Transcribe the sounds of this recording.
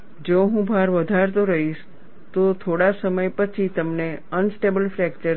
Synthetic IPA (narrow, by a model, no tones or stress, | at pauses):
d͡ʒoɦũbʱaɾʋəd̪ʱaɾt̪oɾəɦiʃ | t̪ot̪ʰoɽasəməjpət͡ʃʰit̪əmneənsʈebəlfɾɛkt͡ʃə